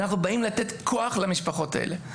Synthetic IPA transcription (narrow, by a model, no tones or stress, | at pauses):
naχnubaimlat̪e̞t̪kʰoaχlamiʃpaχo̞ta̰ʔḛle